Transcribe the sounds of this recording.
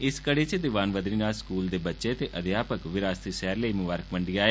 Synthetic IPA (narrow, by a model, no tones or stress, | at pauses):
ɪskəɽeːt͡ʃd̪ɪʋaːnʋəd̪ɾiːnaːlskuːld̪eːbətːʃet̪eːʔəd̪ɪjaːpəkʋɪɾaːst̪isɛːɾləiːmʊbaːɾək̚məɳɖiːaːeː